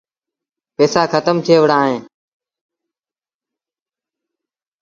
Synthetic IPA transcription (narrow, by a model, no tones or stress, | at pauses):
peːsaːkʰət̪əmt̪ʰeːʋəɽaːɦẽː